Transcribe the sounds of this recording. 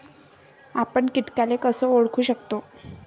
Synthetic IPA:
apəɳkit̪kalekəsəːoɽkʰuːɕəkt̪o

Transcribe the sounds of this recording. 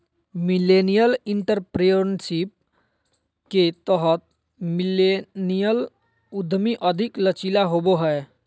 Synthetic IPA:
milenijəlɪɳʈəɾpɾejonʃip̚ | ket̪əɦət̪̚ | milenijəl | ʊd̪ʱmiʔəd̪ʱiklət͡ʃilaɦoboɦɛ

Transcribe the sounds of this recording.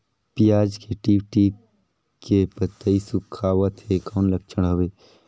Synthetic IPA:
pijaːd͡ʒkeʈiːʋʈiː | kepət̪ːəisʊkʰaːʋət̪ɦekɔːnləkt͡ʃʰəɽ̃ɦɐʋeː

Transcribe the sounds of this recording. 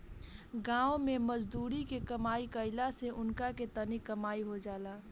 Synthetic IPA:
ɡãːomeməd͡ʒd̪uːɾikekəmaːikəɪlaseʔʊnkaket̪ənikəmaːiɦod͡ʒaːla

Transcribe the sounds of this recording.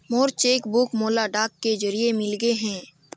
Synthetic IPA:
moːɾt͡ʃeːkbʊkmoːlaɖaːkːed͡ʒɐɾiemɪlɡeɦɛ̃ː

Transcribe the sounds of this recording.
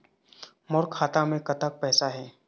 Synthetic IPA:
mɔɾkʰaːt̪amẽkɐt̪ak̚pɛːsaɦɛː

